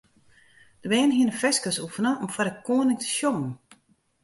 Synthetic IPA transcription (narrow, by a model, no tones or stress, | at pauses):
d̥əbɛːnɦiənəfɛskəsufənəɔmfaɾəkoːnɪŋtə̥ʃjomən